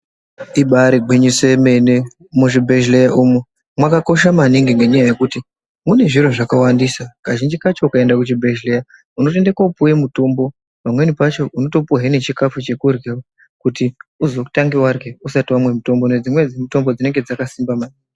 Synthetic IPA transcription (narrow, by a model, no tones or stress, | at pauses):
iɓaɾiɡʱiɲise̞mene | muʐibʱeʒlejaʔumu | mwakako̞ʃamaniŋɡeŋɡe̞ɲajaje̞kuti | mune̞ʐiɾoʐakawandisakaʒind͡ʒikat͡ʃo̞ukae̞ndakut͡ʃibʱeʒleja | uno̞t̬e̞ndekaupuje̞muto̞mbo̞ | pamwe̞nipat͡ʃo̞ʔuno̞to̞puɦene̞t͡ʃikafut͡ʃe̞kurɡewa | kutiuzoku̥taŋɡiwarɡeusatiwamwe̞muto̞mboned͡zimwe̞d͡zimito̞mbo̞d͡zine̞ŋɡe̞d͡zakasimbamani